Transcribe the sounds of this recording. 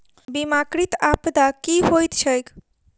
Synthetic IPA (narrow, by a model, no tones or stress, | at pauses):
bimakɾit̪apd̪akiɦojt̪t͡ʃʰejk